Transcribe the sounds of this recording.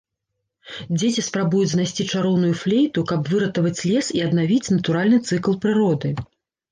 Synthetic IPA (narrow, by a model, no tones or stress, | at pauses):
d͡zʲet͡sʲispɾabujud͡zʲznajsʲt͡sʲit͡ʂaɾɔwnujuflʲejt̪ukɐbvɨɾɐt̪ɐvɐt͡sʲlʲɛsiɐd̪navʲit͡sʲnɐt̪uɾalʲnɨt̪sɨklˠpɾɨɾɔd̪ɨ